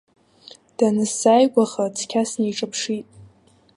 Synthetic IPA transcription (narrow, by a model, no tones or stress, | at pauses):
d̥anɨsajɡʷaχat͡sʰkʲʰasnejʈ͡ʂʼɨpʰʂitʼ